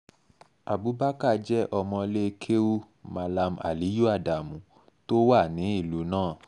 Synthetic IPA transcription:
a˨bu˨˦ba˦ka˦˨d͡ʒɛ˦ʔɔ˧mɔ̃˧le˦kʰe˦u˦ | ma˧la˧ma̰˨li˨˦ju˦a˦˨da˨mũ˨˦ | to˦wa˦˨nĩ˨˦i˦˨lu˨˦nãː˦˨

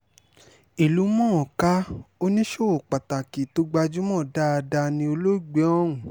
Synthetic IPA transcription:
i˨lu˨˦mɔ̃˦ɔ˨ka˦o˦nĩ˦ʃo˦o˨k͡pa˨ta˨ki˨to˦ɡ͡ba˧d͡ʒu˦mɔ̃˦˨da˦a˧da˧nĩ˧˦o˧lo˦˨ɡ͡be˨˦ɔ̃˦ũ˨

